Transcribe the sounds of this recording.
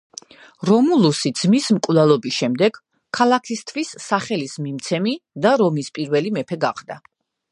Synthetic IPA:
ɾɔmulˠusid̪z̥mismkʼwlalˠɔbisʃɛmd̪ɛɡ̥ | kʰːalˠakʰist̪ʰvwisːaχɛlismimt̪sʰɛmid̪aɾɔmispʼiɾvɛlimɛpʰɛɡaqd̪a

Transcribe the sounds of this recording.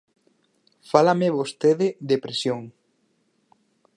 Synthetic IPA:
falameβost̪eðɪðepɾesjoŋ

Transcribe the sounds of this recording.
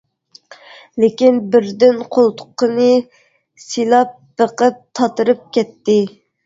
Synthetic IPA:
lekʲinbɪɾd̪ɪnqʰolˠt̪ʰʊ̥qːənɨ | silˠɑp̚bəqəp̚t̪ʰɑt̪ɨɾɨp̚kʲɛt̪ːɪ

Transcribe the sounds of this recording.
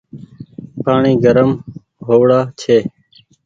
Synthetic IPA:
paːɳĩːɡəɾəm | ɦoːʋɽaːt͡ʃʰeː

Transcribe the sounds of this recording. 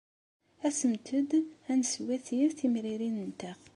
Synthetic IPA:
æsəmt̪ʰəd̪ænswæθjəɾθimɾiɾinənt̪æʁ

